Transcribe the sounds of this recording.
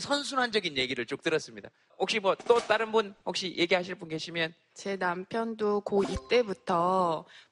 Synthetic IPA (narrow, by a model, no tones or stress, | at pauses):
sʰʌnsʰunɦand͡ʑʌɡinje̞ɡiɾɯɭt͡ɕ͈ok̚t͈ɯɾʌs͈ɯmɲida̰ | hok̚ɕ͈imwʌt͈ot͈aɾɯnbunhok̚ɕ͈ijʔeɡiɦaɕʰiɭp͈unke̞ɕʰimjʌn | t͡ɕe̞nampʰjʌndokoit͈e̞butʰʌ